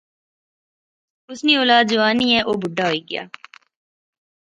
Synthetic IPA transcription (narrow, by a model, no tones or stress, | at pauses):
ʊsnioːlaːd̪̚d͡ʒoːaːnĩːɛːʔoːbʱʊɖːaɦoːiːɡɪja̰ː